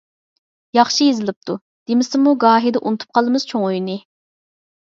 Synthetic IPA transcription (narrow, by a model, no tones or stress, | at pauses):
jɑχʃijezɪlˠɪp̚t̪ʰu | d̪̥emɪsɪmuɡɑːɦid̪ɛʔṵnɨt̪ʰu̥p̚qʰɑlˠɨmɨz̥t͡ʃʰoŋojnɨ